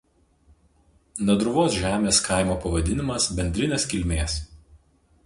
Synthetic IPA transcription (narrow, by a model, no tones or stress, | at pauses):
nɐd̪ɾʊʋoːsʒʲæːmʲeːskɑˑɪmoːpɐʋɐd̪ʲɪnʲɪmɐsbʲɛnʲd̪ʲɾʲɪnʲeskʲɪlʲmʲeːs